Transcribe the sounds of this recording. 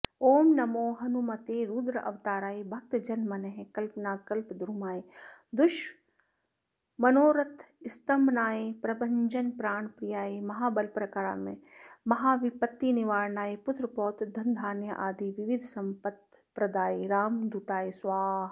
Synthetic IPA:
oːmnɐmoːɦɐnumɐt̪eːɾuːd̪ɾɐʔɐ̰ʋt̪aːɾaːebʱɐk̚t̪d͡ʒɐnmɐnɐɦẽkɐlpnaːkɐlpd̪ɾuːmaːed̪ʊʃ | mɐnoːɾɐt̪ʰ | ɪst̪ɐmnaːepɾɐbɐ̃ɲd͡ʒɐnpɾaːɳpɾijaːemɐɦaːbɐlpɾɐkaɾa̰ːmḛ̃mɐɦaːʋipɐt̪ːiniʋaːɾɳaːepʊt̪ɾəpɔːt̪d̪ʱɐ̃nd̪ʱaːnjɐ̰ʔaːd̪iʋɪʋɪd̪ʱsɐmpɐt̪ | pɾɐd̪aːeɾaːmd̪ut̪aːesʋaːɦ

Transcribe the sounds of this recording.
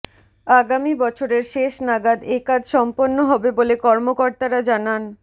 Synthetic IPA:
aɡamibɔt͡ɕʰoɾeɾʃeʃnaɡad̪ekad͡ʑʃɔmponːoɦɔbebolekɔɾmokoɾt̪aɾad͡ʑanan

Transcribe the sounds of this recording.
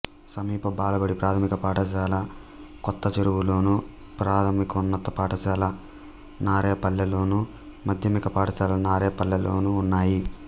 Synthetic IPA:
sɐmiːpɐbaːlɐbɐɽipɾaːt̪ʰɐmikɐpaːʈɐt͡ʃaːlɐ | kɔt̪ːɐt͡ʃɐɾuwulo̞ːnu | pɾaːt̪ʰɐmikɐunːɐt̪ːɐpaːʈɐt͡ʃaːlɐ | naːɾeːpɐlːɐlo̞ːnu | mɐd̪ʱjɐmikɐpaːʈɐt͡ʃaːlɐnaːɾeːpɐlːɐlo̞ːnuːnːaːji

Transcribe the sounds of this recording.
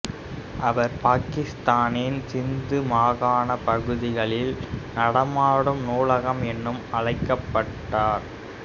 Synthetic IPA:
ʔɐʋɐɾpaːkɪst̪aːnɪnsɪnd̪ɯmaːɣaːnɐpɐɣɯðɪɣɐɭɪlnɐɽɐmaːɽɯmnuːlɐɣɐmɛnːɯmɐɭɐɪkːɐpːɐʈːaːɾ

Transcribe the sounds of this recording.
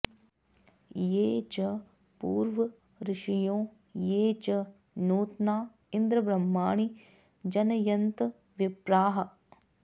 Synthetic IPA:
jeːt͡ʃɐ | pṵːɾʋɐ | ɾɪʃijõː | jeːt͡ʃɐ | nuːt̪naː | ɪnd̪ɾɐbɾɐmːaːɳi | d͡ʒɐnɐjɐnt̪ | ʋɪbɾaːɦɐ

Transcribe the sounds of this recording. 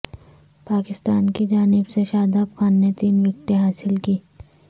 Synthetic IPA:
paːkɪst̪aːnkid͡ʒaːnɪbseʃaːd̪apxaːnːet̪iːnʋɪk̚ʈẽɦaːsɪlkiː

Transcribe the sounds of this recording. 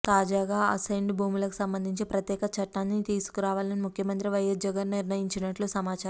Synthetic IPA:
t̪aːd͡ʒaːɡaːɐ̰sɐjɳɖbʱuːmulɐku̥sɐmbɐnd̪ʱiɲt͡ʃipɾɐt̪jɛːkɐt͡ʃɐʈːaːnːit̪iːsu̥kuɾaːʋaːlɐnimukʰjɐmɐnt̪ɾiʋɐjɐsd͡ʒɐɡɐnniɾnɐjiɲt͡ʃinɐʈlusɐmaːt͡ʃaɾ

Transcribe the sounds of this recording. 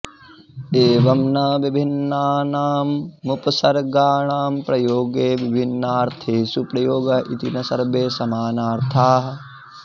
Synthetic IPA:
eːʋɐmnɐʋibʱinːaːnaːmːupɐsɐɾɡaːɳaːmpɾɐjoːɡeːʋibʱinːaːɾt̪ʰeːsupɾɐjoːɡɐʔit̪inɐsɐɾbeːsɐmaːnaːɾt̪ʰaːɦɐ

